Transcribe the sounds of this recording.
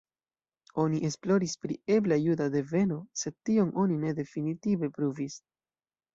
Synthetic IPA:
o̞niʔe̞splo̞ɾispɾḭe̞blajudade̞ve̞no̞se̞d̚tio̞ŋʔo̞nine̞de̞finitive̞pɾuvis

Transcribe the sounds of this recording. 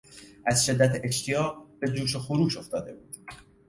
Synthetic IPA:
ʔæzʃe̞d̪ːæt̪ʰeʃt̪ʰijɒːɢ̚b̥e̞d͡ʒuːʃ̬oxoɾuːʃo̞ft̪ɒːd̪e̞̰buːd̪̥

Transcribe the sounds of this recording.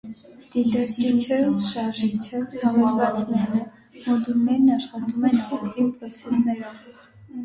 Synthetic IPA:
d̪̥it̪ɑɾkit͡ʃʰəʃɑɾʒit͡ʃʰəɑvɛɾvɑt͡snɛɾə | mɔd̪ulnɛɾnɑʃχɑt̪umɛnχɔχt͡sʰipʰɾɔt͡sʰɛsnɛɾɔv

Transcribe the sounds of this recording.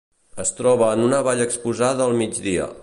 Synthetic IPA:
əst̪ɾɔβəːnunəβaʎəkspuzaðəːlˠmid͡ʒd̪iə̰

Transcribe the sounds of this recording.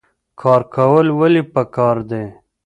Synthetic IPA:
kʰɑɾkʰawəlwalipəkɑɾd̪e

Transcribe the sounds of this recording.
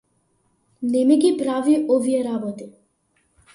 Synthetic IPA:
nɛmiɡipɾaviʔɔvijɛɾabɔt̪i

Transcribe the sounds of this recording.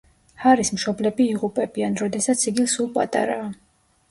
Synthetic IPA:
haɾismʃɔblɛbiːʁupʼɛbianɾɔd̪ɛsat̪sʰiɡisulˠpʼa̰t̪ʼa̰ɾaː

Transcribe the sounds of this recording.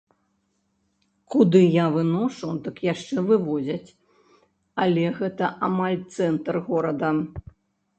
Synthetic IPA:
kud̪ɨjavɨnɔʂud̪ɨkjaʂt͡ʂɛvɨvɔzʲɐt͡sʲ | ɐlʲɛɣɛt̪ɐʔamalʲt̪sɛnt̪rɣɔɾɐd̪ɐ

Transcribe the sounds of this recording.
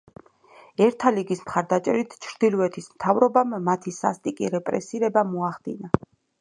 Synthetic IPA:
ɛɾt̪ʰaliɡismχaɾd̪at͡ʃʼɛ̰ɾit̪ʰt͡ʃʰɾd̪̥ilˠvɛt̪ʰismt̪ʰavɾɔbamːat̪ʰisa̰st̪ʼikʼiɾɛpʼɾɛ̰siɾɛbamɔaχd̪̥ina

